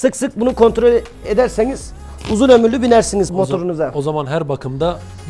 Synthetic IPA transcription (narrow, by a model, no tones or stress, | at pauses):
sɯksɯk̚bunukʰo̞nt̪ɾolʲ | e̞d̪æɾseniz̥ | uzunø̞myɾlːʲybinæɾsinizmo̞t̪ʰo̞ɾunuzaozamanɦæɾbakʰɯmd̪a